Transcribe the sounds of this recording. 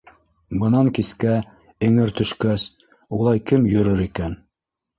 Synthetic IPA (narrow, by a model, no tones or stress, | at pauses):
bɤ̆nɑŋkiskæ | ɘ̆ŋɘɾt̪ɵ̆ʃkæs | ulˠɑjkɘmjɵ̆ɾɵɾikæn